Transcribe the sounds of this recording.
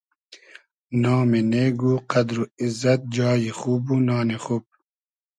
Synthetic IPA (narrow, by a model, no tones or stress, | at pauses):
nɑːmeneːɡuːqad̪ɾuizɐt̪̚d͡ʒɑːjiχuːbunɑːnexuːb̚